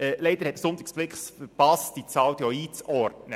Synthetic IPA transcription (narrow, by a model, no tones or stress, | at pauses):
ɛlɛɪd̥̪əɾhɛt̪sʊnt̪ɪksb̥lɪkχsfəɾpɑsd̥it͡sɑːwt̪jɔiːt͡sɔrtnə